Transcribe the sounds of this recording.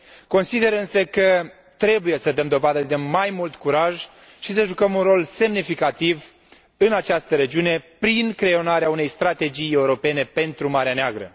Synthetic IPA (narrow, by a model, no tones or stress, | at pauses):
ko̞nsid̪e̞ɾɨnsəkə | t̪ɾe̞buje̞səd̪əmd̪o̞vad̪əd̪e̞majmult̪kuɾaʒ | ʃis̬əʒukəmunro̞lse̞mnifikat̪iv | ɨnat͡ʃast̪əɾe̞d͡ʒiune̞pɾinkɾe̞o̞naɾeaune̞jst̪ɾat̪e̞d͡ʒije̞uɾo̞pe̞ne̞pe̞nt̪ɾumaɾeaneaɡɾə̰